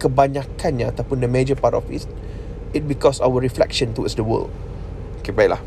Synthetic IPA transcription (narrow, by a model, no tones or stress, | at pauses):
kəbaɲãkʰanɲaat̪awpʊndəmed͡ʒəpatɔ̰fḭt | ɪt̚bikɔsawəɹiflɛ̰kʃə̃nt̪uwɔ̰tsdəwə̰ld | okepaila̰h